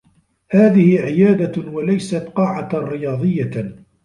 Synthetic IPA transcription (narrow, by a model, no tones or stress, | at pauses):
haːðɪhɪʕɪjaːd̪awalajsat̪qɑːʕaɾɪjɑːðˤɨjːa